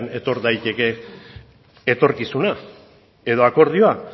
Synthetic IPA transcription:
ne̞t̪o̞ɾd̪ajt̪e̞ke̞ | t̪o̞ɾkisuna | e̞ðo̞ako̞ɾð̞io̞a

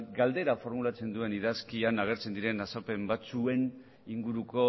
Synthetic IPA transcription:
ɡald̪e̞ɾafo̞ɾmulat͡se̞nd̪ue̞niðaskianaɣ̞e̞ɾt͡se̞nd̪iɾe̞nasape̞mbat͡sue̞n | iŋɡuɾuko̞

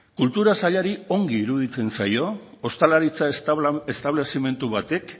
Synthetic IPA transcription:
kult̪uɾasaʎaɾio̞ŋɡiːɾuðit͡se̞nsajo̞ | ost̪alaɾit͡saest̪aβle̞sime̞nt̪uβat̪e̞k

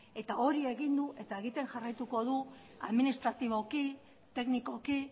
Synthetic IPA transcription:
e̞t̪ao̞ɾie̞ɣind̪uʔe̞t̪ae̞ɣit̪e̞nʝarajt̪uko̞ð̞u | a̰ðminist̪ɾat̪iβo̞ki | t̪e̞kniko̞ki

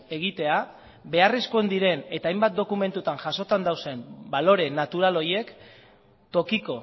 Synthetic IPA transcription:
e̞ɣ̞it̪e̞a | be̞are̞skoend̪iɾe̞ne̞t̪aːjmbat̪̚d̪o̞kume̞nt̪ut̪aŋʝaso̞t̪and̪awse̞mbalo̞ɾe̞nat̪uɾalo̞je̞k | t̪o̞kiko̞

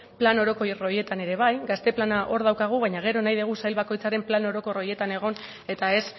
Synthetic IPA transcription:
plano̞ɾo̞ko̞jro̞je̞t̪ane̞ɾe̞β̞ajɡast̪e̞planaʔo̞ɾð̞awkaɣ̞uβajɲaɣ̞e̞ɾo̞najðeɣ̞usajlβako̞jt͡saɾe̞mplano̞ɾo̞ko̞ro̞je̞t̪ane̞ɣ̞o̞n | e̞t̪ae̞s

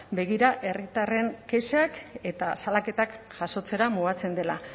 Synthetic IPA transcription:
be̞ɣ̞iɾaʔe̞rit̪are̞ŋke̞ʃake̞t̪asalake̞t̪akʝ̥aso̞t͡se̞ɾamuɣat͡se̞nd̪e̞la̰

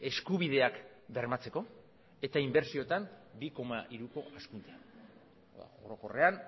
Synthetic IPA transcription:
e̞skuβ̞iðe̞ak | be̞ɾmat͡se̞ko̞ | e̞t̪aimbe̞ɾsio̞t̪ambiko̞maʔiɾuko̞askunt̪ea | a̰oɾo̞ko̞re̞an

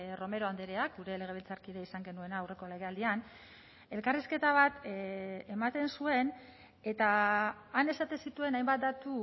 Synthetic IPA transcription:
ro̞me̞ɾo̞and̪eɾeak̚ɡuɾe̞le̞ɣ̞e̞βilt͡saɾkiðeisaŋɡe̞nue̞naːwre̞ko̞le̞ɣ̞e̞ald̪ian | e̞lkariske̞t̪aβ̞at̪ | emat̪e̞nsue̞n | e̞t̪aː | ne̞sat̪e̞nsit̪ue̞najmbat̪̚d̪at̪u

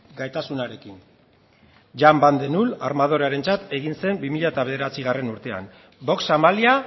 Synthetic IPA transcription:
ɡajt̪asunaɾe̞kin | ʝamband̪enulaɾmað̞o̞ɾeaɾe̞nt͡sat̪e̞ɣ̞inse̞mbimiʎaet̪aβe̞ð̞e̞ɾat͡siɣare̞nuɾt̪e̞a̰n | bo̞ksamalia

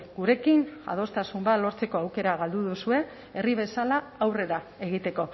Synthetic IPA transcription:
ɡuɾe̞kina̰ð̞o̞st̪asumbat̪lo̞ɾt͡se̞ko̞awke̞ɾaɣ̞ald̪uðusue̞ | eriβ̞e̞salaːwre̞ɾae̞ɣ̞it̪e̞ko̞

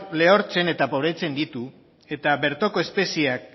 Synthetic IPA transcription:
le̞o̞ɾt͡se̞ne̞t̪apo̞βɾet͡se̞nd̪it̪u | e̞t̪aβe̞ɾt̪o̞ko̞espe̞siak̚

